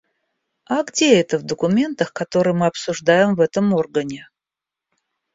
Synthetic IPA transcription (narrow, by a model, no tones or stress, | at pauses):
aɡdʲeɛt̪əvd̪əkʊmʲe̞nt̪əxkɐt̪o̞ɾɨjmɨɐpsʊʐd̪ajɪmvɛt̪əmo̞rɡənʲɪ